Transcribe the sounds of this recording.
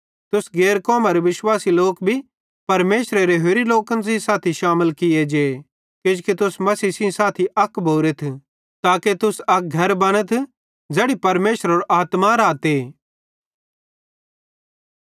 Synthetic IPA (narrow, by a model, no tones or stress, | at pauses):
t̪ʊsɡeːɾkɔːmaɾeʋɪʃwaːsiloːkbʱi | pɐɾmeːʃɾeɾeɦeːɾiloːkə̃ns̬ɪ̃saːt̪ʰiʃaːməlkɪed͡ʒeː | kɪd͡ʒkit̪ʊsmɐsiːsĩsaːt̪ʰiʔɐkbʱoːɾet̪ʰ | t̪aːket̪ʊsɐk̚ɡʱɐɾbɐɽ̃ət̪ʰ | d͡ʒeːɽipɐɾmeːʃəɾoːɾʔaːt̪maɾaːt̪eː